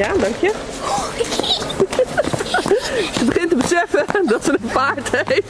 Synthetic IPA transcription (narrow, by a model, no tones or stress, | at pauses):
jadɑŋkjə | səbəχɪntəbəsɛfədɔtsənənpaːɹtɛ